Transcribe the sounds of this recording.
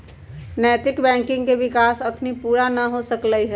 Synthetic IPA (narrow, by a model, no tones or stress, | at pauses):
nɛːt̪ɪkbɛ̃ːŋkɪ̃ŋɡkeʋɪkaːsɐpnipuːɾanɐɦosəkləiɦɛ